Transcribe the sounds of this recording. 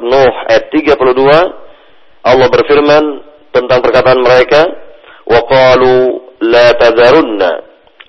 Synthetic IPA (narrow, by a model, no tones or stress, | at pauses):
nɔha̰jat̪ːiɡapuludua | ʔɑlːɑhbərfirman | t̪ənt̪aŋpərkat̪aʔanməɾeka | wʔɑqɑːlulat̪aðaɾunːa̰